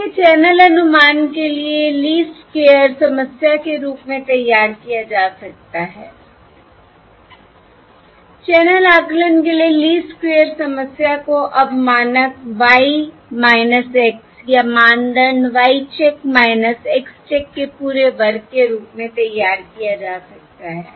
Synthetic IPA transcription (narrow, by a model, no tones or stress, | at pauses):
et͡ʃɛːnəlɐnʊmaːnkelieliːskeːjəɾsɐməsjakeɾuːpmẽt̪ɐjːaːɾkijad͡ʒaːsɐk̚t̪aɦɛː | t͡ʃɛːnəlaːklənkelieliːskeːjəɾsɐməsjakoʔɐbʱmaːnəkʋaːi | maːɪnəseːksjamãːɳɖəɳʋaːit͡ʃekmaːɪnəseːkst͡ʃeːkːepuːɾeʋɐɾkeɾuːpmẽt̪ɐjːaːɾkijad͡ʒaːsɐk̚t̪aɦɛː